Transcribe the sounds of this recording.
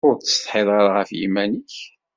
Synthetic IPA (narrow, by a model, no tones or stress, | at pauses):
ʊɾt̪ə̥st̪ħɪðˤɑɾʁəfjḭmæniç